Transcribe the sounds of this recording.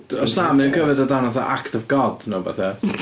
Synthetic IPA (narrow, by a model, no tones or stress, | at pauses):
ɔsnaːmnənkʰəvɨdɔdanaθaʔaktɔvɡɔd̥naba̰θɛ